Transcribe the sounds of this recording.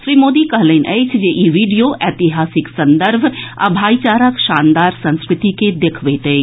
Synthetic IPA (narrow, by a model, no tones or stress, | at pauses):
ʃɾiːmoːd̪ikɐɦlenʔɛːt͡ʃʰjeːʔiʋiːɖijoʔɛːt̪ɪɦaːsɪksɐ̃nd̪əɾbʱɐ̰bʱaːit͡ʃaːɾəkʃaːnd̪aːɾsɐ̃nskɾɪt̪iked̪ekʰʋeːt̪e